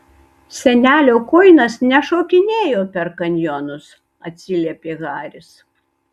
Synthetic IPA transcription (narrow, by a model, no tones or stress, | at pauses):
sʲɛnʲæːlʲoːkoːɪnɐsnʲɛʃoːkʲɪnʲeːjoːpʲɛɾkɐnʲjoːnʊs | ɐt̪ʲsʲɪlʲɛːpʲeːɣɑːɾʲɪs